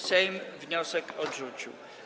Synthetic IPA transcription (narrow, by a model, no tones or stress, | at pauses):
sɛjmvɲɔsɛkɔdʐut͡ɕḭw